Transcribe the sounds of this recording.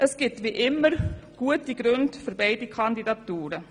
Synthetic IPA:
ʔəsɡ̥ɪtʋiʔɪmːəɾɡ̥uətiɡ̥ɾʏndføɾbaɪdikʰɑndidɑtuːɾə

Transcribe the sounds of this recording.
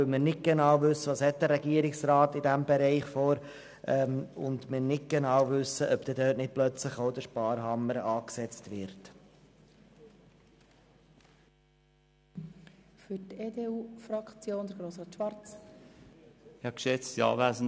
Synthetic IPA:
ølmɪnɪt̚ɡ̥ɛnɑwvʏsːəʋɑːshɛt̚dəɾɛɡiəɾɪksrɑːtɪdæmbɛɾɛɪχfoːɾ | ʔɛmʊ̰ndmɪnɪt̚ɡ̥enɑːwvʏsəʔœpd̥ɛdøːtnɪt̚plœt͡slɪχoʊd̥əʃpɑːɾɦɑməɾɑːksɛt͡stʋɪɾt | fyɾteːdeuːfɾɑkt͡sjoːnd̥̪əɾɡɾoːsʁɑːt̪ʃʋɑɾt͡s | hɑkʃɛt͡sjɑ̰væsn

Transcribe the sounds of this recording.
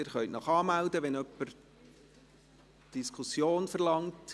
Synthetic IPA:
ɪːɾχœntnɑχɑːmældəʋɛnœpːəɾ | d̥iskʰusjoːnfəɾlɑŋt

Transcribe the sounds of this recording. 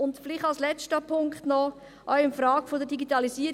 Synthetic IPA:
ʊndfɪlɪχtɑlslɛt͡stəpʰʊŋkχtnɔ | ʔœʊɪnfɾaːɡfodədiɡitɑlisiːəɾ

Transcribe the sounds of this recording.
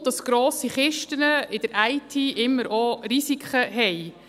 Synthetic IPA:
d̥ɑsɡ̥ɾoːsiχɪʃtənəɪdəɾʔæɪtʰiːʔɪmːəɾʔɔɾisikχəɦɛj

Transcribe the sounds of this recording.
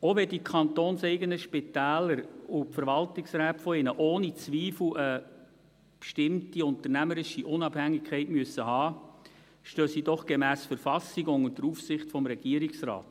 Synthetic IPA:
oʋɛdikʰɑnt̪oːnsɛɪɡənəʃpɪtæːləɾʊpfəɾʋɑltɪksɾæːtfɔɪnəʔoːnit͡sʋiːfl̩ə | pʃtɪmtiʊntərnæməɾɪʃiʔʊnɑbhæŋːɪkʰːɛɪtmyəsːəhɑː | ʃtøːsidɔχɡ̥emæːsfəɾfɑsiɡʊŋʊntdəɾuːfsɪχtfɔmɾɛɡ̥iəɾiksrɑ̰ːt

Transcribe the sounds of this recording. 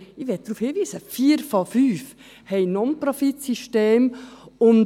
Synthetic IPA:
ɪʋɛt̚d̥̪ɾuːfhɪʋiːsəfiːəɾfɑfyːf | hɛɪnɔnpɾɔfit̪siʃteːmʊn

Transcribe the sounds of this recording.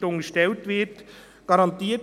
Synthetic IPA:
tʊŋɡəʃtɛltvɪt | ɡ̥ɑɾɑntiːt

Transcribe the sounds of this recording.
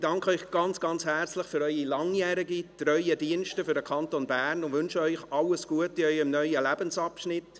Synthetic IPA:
d̥ɑŋkʰəœʏχɡ̥ɑnt͡sɡ̥ɑnt͡shɛrt͡slɪχfʏɾœʏilɑŋjɛːɾɪɡitrœʏədiənʃtəfʏɾdəkʰɑntonbæːrnʊnvʋʏnʃəœʏχɑlːəsɡ̥uətiœʏɪmnœʏəlæbənsɑpʃnɪt

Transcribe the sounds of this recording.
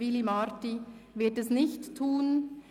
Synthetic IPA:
ɪlimaɾtivɪɐtɛsnɪçtʰːuːn

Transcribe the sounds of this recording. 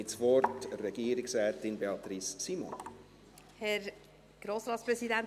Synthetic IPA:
ɪtsʋɔɾtrɛɡ̥iːəɾɪksɾɛːtɪnbeɑt̪ɾissimo̰n | hɛɾ | ɡ̥ɾoːsɾɑːt̪spɾɛsidæn

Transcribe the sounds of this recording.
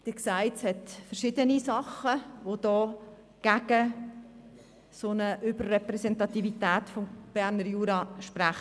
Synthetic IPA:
d̥ɪksæɪtshɛtfəɾʃɪdənisɑχːəʋod̥ɔː | ɡ̥æɡ̥ə | sonəʔʏbərːɛpɾɛsɛntɑt̪ivitæːtfɔmb̥æɾnəɾjuːɾɑʃpɾæχ

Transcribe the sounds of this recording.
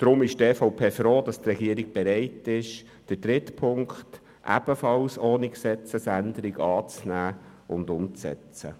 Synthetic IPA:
d̪̥ɾʊmɪʃtɛːfɔʊpʰeːfɾoːd̪ɑst̪rɛɡiəɾiɡ̥̚b̥ɛɾɛɪtɪʃ | d̥əd̥ɾɪtpʰʊŋkt | ʔæ̰b̥əfɑlsoːniksɛt͡səsændəɾiɡɑːt͡snæːʔʊnd̪ʊmt͡sɛ̰t͡sə̰

